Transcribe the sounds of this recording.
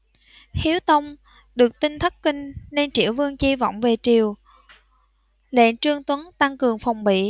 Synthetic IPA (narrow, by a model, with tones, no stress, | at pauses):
hi˨˦əwt̪ə˧wŋ͡m | ɗɨ˨˩ək̚t̪ï˧ŋ̟t̪ʰə˦˥t̚kï˧ŋ̟ne˧nt͡ɕḭ˧˩əwvɨ˧əŋt͡ɕi˧vɔ̰˧˨wŋ͡mve˨˩t͡ɕi˨˩əw | lḛ˧˨t͡ɕɨ˧əŋt̪wə˨˦nt̪a˧ŋkɨ˨˩əŋfɔ˨˩wŋ͡mɓḭ˧˨